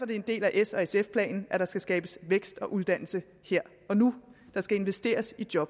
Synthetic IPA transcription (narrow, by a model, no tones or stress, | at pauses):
fɒd̥e̝end̥e̝̰ːlæʔesɒ̽esefpʰlɛ̰ːnn̩ʔæɾ̥ɑ̈sɡ̥æsɡ̥ɛːb̥əsʋeɡ̥sd̥ɒ̽ʔuð̞ˠd̥æn̰l̩sə | he̝ɐ̰ | ɒ̽nud̥ɑ̈sɡ̥æe̝nʋesd̥e̝̰ːɐsid̥jɒ̽b̥